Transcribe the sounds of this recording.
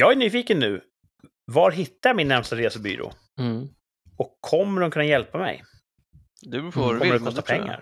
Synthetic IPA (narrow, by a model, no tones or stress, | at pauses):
jɑːɡæɳyːfiːkənːʉ̟ː | vaɾɦɪt̪ːajɑmɪnːæɾmst̪aɾeːsəby̰ːɾo̰ː | ɔkʰːɔmːəɾʊnkʰɵnːajɛlpamɛ̰j | d̪ɔməɾd̪kʰɔst̪apʰɛŋːa̰ɾ